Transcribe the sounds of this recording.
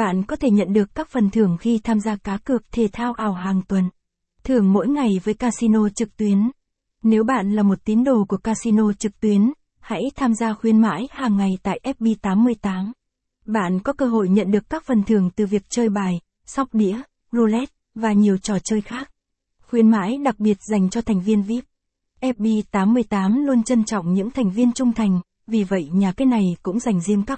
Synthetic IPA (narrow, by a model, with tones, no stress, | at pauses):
ɓa̰ː˧˨nkɔ˨˦t̪ʰe˧˩ɲə̰˧˨nɗɨ˨˩əkːaː˦˥k̚fə˨˩nt̪ʰɨ˨˩əŋxi˧t̪ʰaː˧mzaː˧kaː˨˦kɨ˨˩ək̚t̪ʰe˨˩t̪ʰaː˧wʔaː˨˩wɦaː˨˩ŋt̪wə˨˩n | t̪ʰɨ˨˩əŋmo̰˧˥jŋa˨˩jvəː˨˦jkaː˧si˧no˧t͡ɕɨ˨˩k̚t̪wi˨˦ən | ne˨˦wɓa̰ː˧˨nlaː˨˩mo˨˩t̚t̪i˨˦ənɗo˨˩ku˧˩əkaː˧si˧no˧t͡ɕɨ˨˩k̚t̪wi˨˦ən | ha̰˧˥jt̪ʰaː˧mzaː˧xwi˧ənma̰ː˧˥jhaː˨˩ŋːa˨˩jt̪a̰ː˧˨jʔɛ˦˥p̚ɓi˧t̪aː˨˦mːɨ˧əjt̪aː˨˦m | ɓa̰ː˧˨nkɔ˨˦kəː˧ɦo̰˧˨jɲə̰˧˨nɗɨ˨˩əkːaː˦˥k̚fə˨˩nt̪ʰɨ˨˩əŋt̪ɨ˨˩vi˨˩ək̚t͡ɕəː˧jɓaː˨˩j | sa˦˥wk͡p̚ɗḭ˧˥ə | zu˧lɛ˦˥t̚ | vaː˨˩ɲi˨˩əwt͡ɕɔ˨˩t͡ɕəː˧jxaː˦˥k̚ | xwi˨˦ənma̰ː˧˥jɗa˨˩k̚ɓi˨˩ət̚za˨˩jŋ̟t͡ɕɔ˧t̪ʰa˨˩jŋ̟vi˧ənvi˦˥p̚ | ʔɛ˦˥p̚ɓi˧t̪aː˨˦mːɨ˧əjt̪aː˨˦mlu˧ənt͡ɕə˧nt͡ɕɔ̰˧˨wŋ͡mɲɨ̰˧˥ŋt̪ʰa˨˩ŋ̟vi˧ənt͡ɕʊ˧ŋ͡mt̪ʰa˨˩jŋ̟ | vi˨˩və̰˧˨jɲaː˨˩kaː˨˦jna˨˩jkʊ̰˧˥ŋ͡mza˨˩jŋ̟zi˧əmkaː˦˥